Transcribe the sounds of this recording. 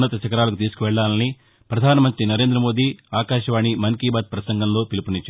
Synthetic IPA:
nːɐt̪ɐt͡ʃɐkɐɾaːlɐk̬ut̪iːsu̥kuʋɛɭːaːlɐni | pɾɐd̪ʱaːnɐmɐnt̪ɾinɐɾe̞ːnd̪ɾɐmo̞ːd̪iːaːkaːʃɐʋaːɳimɐŋkiːbaːd̪̚pɾɐsɐŋɡʱɐmlo̞ːpilipunit͡ʃːaː

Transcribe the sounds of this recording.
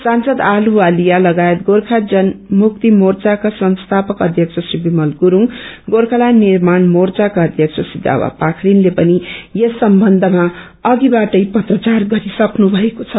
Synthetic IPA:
sansʌd̪aluwalijalʌɡaet̪̚ɡorkʰad͡zʌnmuk̚t̪imort͡sakasʌnst̪ʰapʌkʌd̪ʱjʌk̚t͡sʰʌsribimʌlɡuɾuŋ | ɡorkʰalanirmanmort͡sakaʌd̪ʱjʌk̚t͡sʰʌsid̪a̰wa̰pakʰɾinlepʌnijesʌmbʌnd̪ʱʌma | ʌɡibaʈʌjpʌt̪rʌt͡sarɡʌɾisʌknubʱʌekot͡sʰʌ

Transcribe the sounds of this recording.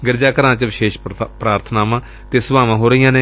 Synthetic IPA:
ɡəɾd͡ʒaːkəɾãːt͡ʃəʋɪʃeːʃpɾaːɾt̪ʰnaːmãː | t̪eːsəbaːmãːɦoːɾəijãːneː

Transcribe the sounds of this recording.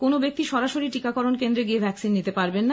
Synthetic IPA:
konobek̚t̪iʃɔɾaʃoɾiʈikakɔɾonkend̪ɾeɡiebʱɛksinːit̪epaɾbenːa

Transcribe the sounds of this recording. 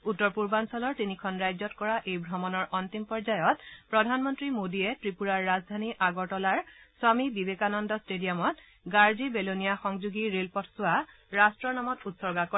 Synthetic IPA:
utːɔɹpuɹbansɔlɔɹtinikʰɔnɹajzɔtkɔɹaʔejbʱɹɔmɔnɔɹʔɔnt̪impɔɹzajɔtpɹɔdʱanmɔntɹimodiɛtɹipuɹaɹːazdʱaniʔaɡɔɹʈɔlaɹswamibibekanɔndɔstedijɔmɔt | ɡaɹzibelonijaxɔŋzuɡiɹelpɔtʰsʊa | ɹastɹɔnamɔtutsɔɹɡakɔ

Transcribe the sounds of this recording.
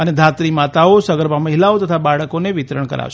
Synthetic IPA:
əned̪ʱat̪ɾimat̪aosəɡəɾʋaməɦilaot̪ət̪ʰabaɭəkoneʋɪt̪ɾəɳkə̰ɾa̰ʋʃ

